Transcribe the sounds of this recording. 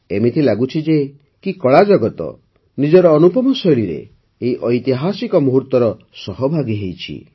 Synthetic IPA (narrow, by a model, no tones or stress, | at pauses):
emit̪ʰilaɡut͡ʃʰid͡ʒe | kikɔɭad͡ʒɔɡɔt̪ɔ̰ | nid͡ʒɔɾɔːnupɔmɔsɔjɭiɾḛː | iʔɔjt̪iɦasikɔmuɦuɾt̪wɔɾɔ | sɔɦɔbʱaɡiɦejt͡ʃʰḭ